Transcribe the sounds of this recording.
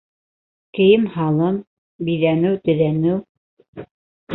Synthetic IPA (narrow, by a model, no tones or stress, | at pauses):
kɘ̆jɘmhɑlˠɤm | bijðænɘwt̪ɘ̆ðænɘw